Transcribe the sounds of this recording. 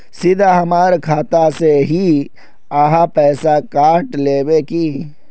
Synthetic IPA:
sɪd̪ʱaɦɐmaːɾkʰaːt̪aseɦi | aːɦapɛːsakaːʈleːbeki

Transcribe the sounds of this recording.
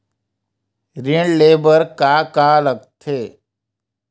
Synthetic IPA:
ɾeɳɖleːbəɾkaːkaːləɡt̪ʰeː

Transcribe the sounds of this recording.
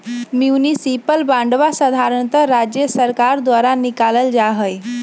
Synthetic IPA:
mjiunisipəlbãɳɖʋasəd̪ʱaɾəɳt̪əɾad͡ʑjəsəɾkaɾd̪ʋaɾanikaləld͡ʑaɦəj

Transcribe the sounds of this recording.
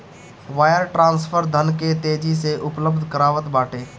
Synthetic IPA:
ʋaːjəɾʈɾãːnspʰəɾd̪ʱənket̪eːd͡ʒiseʔʊpləb̚d̪ʱkəɾaːʋət̪baːʈeː

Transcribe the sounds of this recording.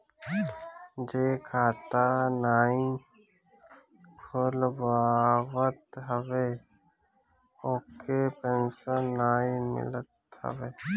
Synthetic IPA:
d͡ʒeːkʰaːt̪anaːĩ | kʰʊlbaːwət̪ɦəwe | oːkepẽnsənːaːĩmɪ̰lət̪hə̰weː

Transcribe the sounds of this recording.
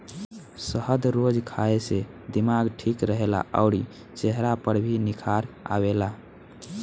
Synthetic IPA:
səhəd̪ʱɾod͡ʒkʰaese | d̪imaɡʈʰikɾəɦela̰ʔə̰ʊɽi | t͡ʃeɦɾapəɾbʱinikʰaɾ | a̰bela

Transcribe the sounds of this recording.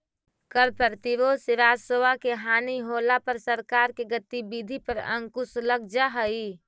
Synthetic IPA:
kəɾpəɾt̪iʋosɪɾaːd͡ʒsowakeɦaːniɦoːlapəɾsəɾkaːɾkeɡət̪ːibid̪ʱipəɾə̰̃ŋkʊsləɡ̚d͡ʒaɦəi

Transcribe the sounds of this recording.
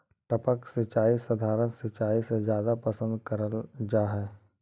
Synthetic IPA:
ʈəpəksɪt͡ʃaːisɐd̪ʱaːɾənsɪt͡ʃaːisezjaːd̪apɐsə̃nd̪kɐɾəld͡ʒaːɦɛː

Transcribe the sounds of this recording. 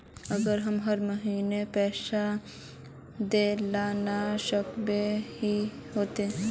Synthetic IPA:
əɡəɾɦəmɦəɾməɦiːnepɛːʃa | d̪eːlaːnaʃəkbeɦiɦoːt̪e

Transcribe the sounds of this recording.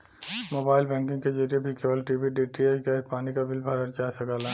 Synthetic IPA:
moːbaːɪlbɛ̃ːŋkɪ̃ŋɡked͡ʒɐɾiebʱikeːbəlʈibiɖeːʈɾiakapaːnikabɪlbʱaɾɐɾt͡ʃaːsɐɡaːla

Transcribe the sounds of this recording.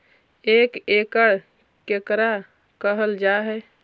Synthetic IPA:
ekekəɽ | kekɾa | kəɦəld͡ʒaɦɛ

